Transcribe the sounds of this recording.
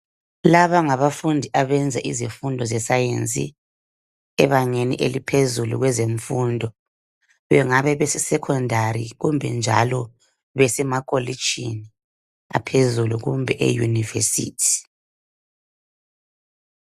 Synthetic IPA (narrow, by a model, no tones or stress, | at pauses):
laβaŋaβafundʱiʔaβɛnd͡zʱaʔizifundʱɔzɛsajent͡sʼḭ | ɛβaɲenḭʔelipʰezulṵɣwɛzeɱfundʱɔ | βɛŋaβɛβɛsɛsɛkʰɔndʱaɾḭɣumbʱɛnd͡ʒʱa̰lɔ | βɛsɛmakʼolit͡ʃini | a̰pʰezuluɣumbʱɛʔḛjṵnivḛsḭːtʰi̥